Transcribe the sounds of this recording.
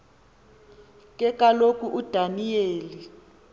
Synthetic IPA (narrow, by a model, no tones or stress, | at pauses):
kʼɛkʼalokʼuʔud̥ʱanijeːli